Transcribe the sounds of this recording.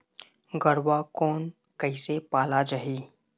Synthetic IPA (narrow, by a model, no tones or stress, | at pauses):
ɡəɽwakɔːn | kəɪsepaːlad͡ʒaɦiː